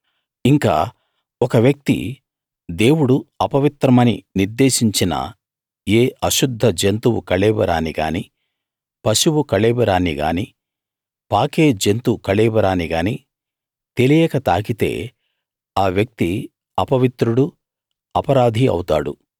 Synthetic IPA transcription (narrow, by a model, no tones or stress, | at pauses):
iŋka̰ː | ɔkɐʋjɐk̚t̪ḭ | d̪e̞ːwuɽuɐpɐʋit̪ɾɐmɐnḭniɾd̪e̞ːʃiɲt͡ʃinɐ̰ | eːɐʃud̪ʱːɐd͡ʒent̪uwukɐɭɛːbɐɾaːniɡa̰ːni | pɐʃuwukɐɭɛːbɐɾaːniɡa̰ːni | paːkeːd͡ʒe̞nt̪ukɐɭɛːbɐɾaːniɡaːni | t̪e̞lijɛːkɐt̪a̰ːkit̪e̞̰ː | aːʋjɐk̚t̪i | ɐpɐʋit̪ɾuɽu | ɐpɐɾaːd̪ʱiɐ̰wt̪a̰ːɽṵ